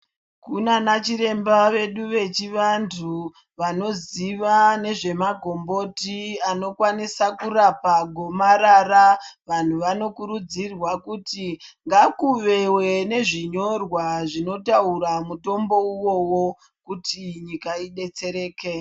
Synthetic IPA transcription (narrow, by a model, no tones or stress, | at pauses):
kunanat͡ʃiɾe̞mbaʋe̞ɗuʋe̞t͡ʃiʋantʰu | ʋano̞ziʋane̞ʐe̞maɡʱo̞mbo̞tiano̞kwanisakuɾapaɡʱo̞maɾaraʋan̤uʋano̞kuɾud͡zirwakutiŋɡakuʋe̞we̞ne̞ʐiɲo̞rwaʐino̞tauɾamuto̞mbo̞uwo̞wo̞ | kutʰiɲikaiɗe̞t͡se̞ɾe̞ːke̞